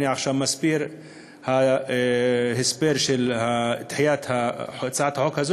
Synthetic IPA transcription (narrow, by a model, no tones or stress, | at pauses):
niʕaxʃamːasbiːɾ | ha | hɪsbeɾʃɪlhat̪ħjaːt̪hat̪saʕat̪hħokhaz